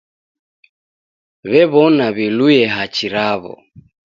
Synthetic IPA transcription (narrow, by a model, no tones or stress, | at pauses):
βɛβɔnaβilujɛɦat͡ʃiɾaβɔ̰